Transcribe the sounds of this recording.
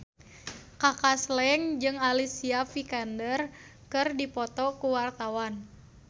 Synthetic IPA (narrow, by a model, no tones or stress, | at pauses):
kakaslɛŋd͡ʒɨŋalisiafikandər | kɨrdipɔt̪ɔkuwart̪awan